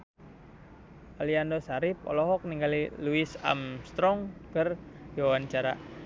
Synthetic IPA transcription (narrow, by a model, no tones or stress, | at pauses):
aliandosaɾip̚ɔ̰lɔɦɔk̚niŋɡaliluisa̰mst̪ɾɔŋkərjawant͡ʃaɾa